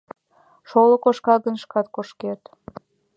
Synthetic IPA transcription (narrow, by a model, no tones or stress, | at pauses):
ʃolə̆koʃkɑɣənʃkɑt̪̚koʃket̪